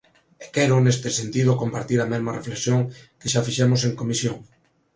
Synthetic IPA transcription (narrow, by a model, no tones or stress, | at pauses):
ekɛɾʊnest̪esent̪ið̞okompaɾt̪iɾɐmɛzmɐrefleksjoŋkeʃafiʃɛmoseŋkomisjoŋ